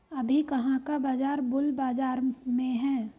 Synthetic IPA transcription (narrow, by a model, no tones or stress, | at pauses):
əbʱikɐɦãkabaːd͡ʒaːɾbʊlbaːd͡ʒaːɾmẽɦɛ̃ː